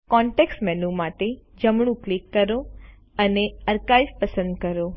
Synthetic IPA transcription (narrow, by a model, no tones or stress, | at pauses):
kɔ̃ɳʈeksʈmɛnumaʈed͡ʒəmɳ̃ũklikːəɾo | əneəɾkaispəsə̃nd̪kəɾo